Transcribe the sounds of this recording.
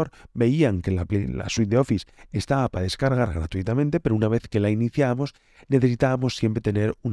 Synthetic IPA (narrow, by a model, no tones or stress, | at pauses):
oɾbe̞iaŋke̞lapela̰swit̪̚d̪eo̞fise̞st̪aβapaðeskaɾɣ̞aɾɣɾat̪uit̪amẽnt̪e̞peɾounaβ̞e̞θke̞lainiθjaβamo̞s | ne̞θe̞sit̪aβamo̞sːje̞mpɾet̪e̞ne̞ɾun